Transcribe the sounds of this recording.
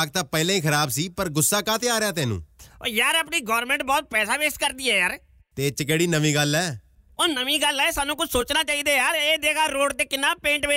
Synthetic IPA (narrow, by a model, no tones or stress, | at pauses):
k̚t̪aːpɛːlãːiːkʰəɾaːbsiːpəɾɡʊsːaːkãːt̪ʰeːaːɾejaːt̪ɛːnṵ̃ːjaːɾəːpniːɡɔːɾmɛ̃ːɳʈ̚bɔːt̪̚pɛːsaːʋekskəɾd̪iːɛːjaːɾ | t̪eːt͡ʃək̬eːɽiːnəʋiːɡəlɛː | oːnəʋĩːɡəlɛːsaːnːũːkʊt͡ʃʰsoːt͡ʃnaːt͡ʃaːiːd̪eːjaːɾeːd̪eːkʰaːɾoːɖt̪eːkɪnːaːpẽːɳʈʋeː